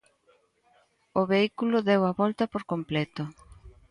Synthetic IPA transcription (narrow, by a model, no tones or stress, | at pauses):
ʊβeikulʊðɛwɐβɔlt̪ɐpoɾkomplɛt̪ʊ